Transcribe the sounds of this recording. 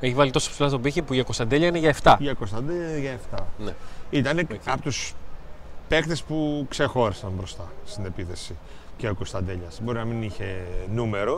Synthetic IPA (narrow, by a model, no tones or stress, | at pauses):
eçivɐlit̪o̞so̥psilɐst̪obiçipuʝɐkost̪ɐnd̪eʎɐineʝɐeft̪ɐʝɐkost̪ɐnd̪eʝɐeft̪ɐneit̪ɐnekɐpot̪us | pe̞kt̪e̞spukse̞xo̞ɾisɐmbɾo̞st̪ɐst̪ine̞piθe̞si | ceokost̪ɐnd̪eʎɐsbo̞ɾinɐminiçe̞nume̞ɾo̞